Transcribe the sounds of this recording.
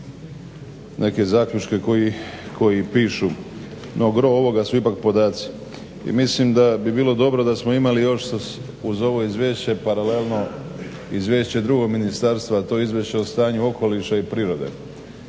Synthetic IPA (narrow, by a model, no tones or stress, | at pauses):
nʔe̞ke̞zaːkʎʲut͡ʃke̞koikʰo̞jipiːʃu | nʔo̞ɡɾo̞oʋo̞ɡasuipak̚po̞d̪aːt̪si̥ | ḭmislimd̪abibiːlo̞d̪o̞bɾo̞d̪asmo̞imalijo̞ʃ | uzo̞ʋo̞izʋʲjeʃt͡ɕe̞paɾale̞lˠno̞ | izʋje̞ːʃt͡ɕe̞d̪ɾuɡo̞ɡminist̪aɾst̪ʋat̪o̞ːizʋʲjeʃt͡ɕeost̪aːɲuo̞ko̞liʃaipɾiːɾo̞d̪e̞̰